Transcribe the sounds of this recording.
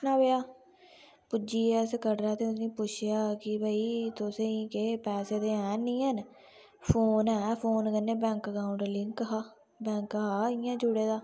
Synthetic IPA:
naːbejaː | pʊd͡ʒiːɛːskəɾɾaːt̪eːʊsnĩːpʊt͡ʃʰjaːkɪbəiːt̪ʊsẽĩːkeːpɛːseːd̪eːɛ̃ːnĩːɦən | pʰoːnɛːpʰoːnɡənːeːbɛ̃ːŋkkaːʊ̃ɳɖəɾlɪŋkɦaː | bɛ̃ːŋkɦaːɪːãːd͡ʒʊɽeːd̪aː

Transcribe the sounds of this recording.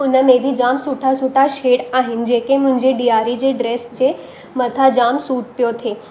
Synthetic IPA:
ʊnəmeb̪ʱid͡ʒamsuʈʰasuʈʰaʃeɽaɦind͡ʑekemʊ̃nd͡ʑeɖiaɾid͡ʑeɖɾesd͡ʑe | mət̪ʰad͡ʒamsuːʈ̚pjot̪ʰe

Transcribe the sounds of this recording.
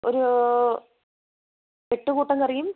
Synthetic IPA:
o̰ɾu | eʈːukuːʈːɐŋkɐrijum

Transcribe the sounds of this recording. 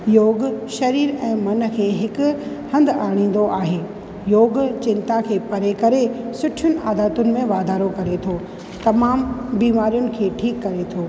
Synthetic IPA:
joːɡʃɐɾiːɾɛ̃ːmɐnkʰeːɦɪkʊhɐ̃nd̪aːɽ̃ĩːn̆d̪oʔaːɦeː | joːɡt͡ɕɪ̃nt̪akʰeːpɐɾekɐɾesʊʈʰɪjʊnɪ̆aːd̪aːt̪ʊnɪ̆mẽʋaːd̪ʱaːɾokɐɾet̪ʰoː | t̪ɐmaːmbiːmaːɾijʊnɪ̆kʰeːʈʰiːkːɐɾet̪ʰoː

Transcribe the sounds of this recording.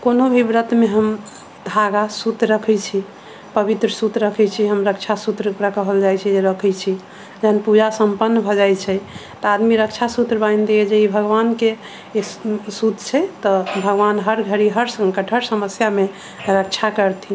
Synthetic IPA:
konobʱibɾət̪meɦəm | d̪ʱaɡasut̪ɾəkʰɛt͡ʃʰi | pəbit̪ɾəsut̪ɾəkʰɛt͡ʃʰiɦəmɾəkt͡ʃʰasut̪ɾəɾəkəɦəld͡ʒajt͡ʃʰɛd͡ʒeɾəkʰɛt͡ʃʰi | d͡ʒəɦənpud͡ʒasəmpənːəbʱɔd͡ʒajt͡ʃʰɛt̪ɔad̪miɾək̚t͡ʃʰasut̪ɾəbajnd̪ejed͡ʒeibʱəɡʋanke | sut̪t͡ʃʰɛt̪ɔbʱəɡʋanɦəɾɡʱəɾiɦəɾsə̃ŋɡkəʈʰəɾsəməsjame | ɾək̚t͡ʃʰakəɾt̪ʰi

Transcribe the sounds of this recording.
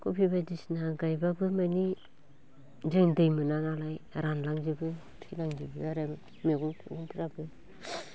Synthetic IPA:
kupʰiβadisnaɡajbabɯmani | d͡ʒɯŋdejmɯnanalajɾanlaŋd͡ʒibɯ | tʰilaŋd͡ʒibɯaɾem | meɡuŋtʰṵɡuntʰiɾabɯ

